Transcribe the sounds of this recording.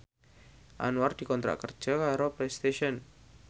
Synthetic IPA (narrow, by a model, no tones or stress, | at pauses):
ʔa̰nuard̪̥i̤kɔnt̪ɾa̰ʔkər̥ʒ̥a̤kaɾoplest̪eʃɔn